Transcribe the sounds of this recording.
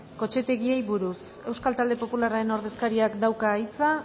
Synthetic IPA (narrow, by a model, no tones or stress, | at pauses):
ko̞t͡ʃe̞t̪e̞ɣie̞jβuɾus | e̞wskalt̪ald̪e̞po̞pulaɾaɾe̞no̞ɾðe̞skaɾiakd̪awkaːjt͡sa